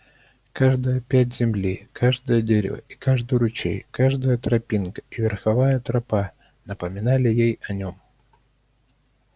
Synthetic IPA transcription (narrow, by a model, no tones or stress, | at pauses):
kaʐd̪əjəpʲæt̬ʲzʲɪmlʲikʰaʐd̪əjədʲeɾʲɪ̰və̰i̥kaʐd̪ʊjʊɾʊt͡ɕḛjkaʐd̪əjət̪ɾɐpʲinkə̥ivʲɪrxɐvajət̪ɾɐpa | nəpəmʲɪnalʲɪjejɐnʲom